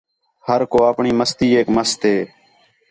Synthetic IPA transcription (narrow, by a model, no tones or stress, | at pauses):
həɾkoːaːpɳiːməst̪iːeːkməst̪ʰeː